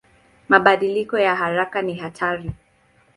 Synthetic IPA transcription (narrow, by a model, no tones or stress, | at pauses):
maɓaɗilikɔjaɦaɾakaniɦatʰaɾi